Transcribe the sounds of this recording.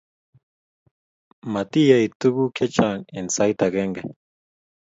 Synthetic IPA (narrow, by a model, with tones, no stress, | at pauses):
ma˨t̪i˦jait̪u˦ku˦kʰe˦t͡ʃa˨ŋe˨nsa˦jt̪a˨ɡe˦ŋɡe˨